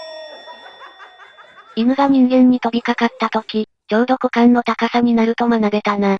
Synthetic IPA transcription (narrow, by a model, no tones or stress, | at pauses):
imɯ̟ɡamʲĩŋɡẽɲ̟ːit̪o̞bʲikakat̪ːat̪o̞kʲi | d͡ʑoːd̪o̞kɯ̟kãnːo̞t̪akasaɲ̟inaɾɯ̟t̪o̞manaɡe̞t̪ana